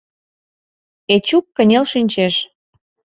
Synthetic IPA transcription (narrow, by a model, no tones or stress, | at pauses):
et͡ɕukːə̆nʲelʃinʲt͡ɕeʃ